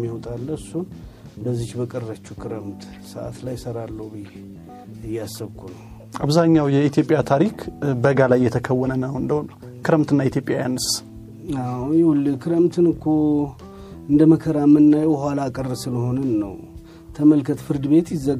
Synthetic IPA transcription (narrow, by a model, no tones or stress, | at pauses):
mːiwt̪ʼalːəɨsːun | bəzːit͡ʃbəkʼərːət͡ʃːukʰɨɾəmt̪ | səʔa̰t̪lajːsəɾalːəwbɨje | ɨjːasːɨβkʰunə | aβzaɲːawjɛit̪ʰjo̞pʼijat̪ʰaɾikʰbəɡalajːɛt̪ʰəkʰəwːɔnənəwɨnd̪əhonə | kʰɨɾəmt̪ɨnːait̪ʰjo̞pʼjajanːəs | awjɪwulːɨkʰɨɾəmt̪ʰɨnɨkʰːo | ɨnd̪əməkʰəɾamːɨnːajɛwhwalaːkʼərsɨləho̞nənːə̰w | t̪ʰəməlkʰət̪fɨɾd̪ɨβe̞t̪jɪzːə